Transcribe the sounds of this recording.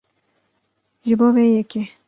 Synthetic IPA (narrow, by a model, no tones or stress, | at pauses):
ʒɪboːweːjɛke